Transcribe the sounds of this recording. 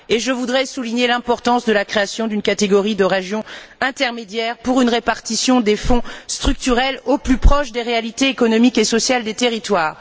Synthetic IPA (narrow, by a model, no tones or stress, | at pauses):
eʒəvud̪ʁɛsuliɲelɛ̃pɔʁt̪ɑ̃sd̪əlakχeasjɔ̃d̪ynkat̪eɡɔʁid̪əʁeʒjɔ̃ɛ̃t̪ɛʁmed̪jɛʁpuʁynʁepaʁt̪isjɔ̃d̪efɔ̃st̪χyk̚t̪yʁɛloplypχɔʃd̪eʁealit̪eːkɔnɔmikesɔsjald̪et̪eʁit̪waːʁ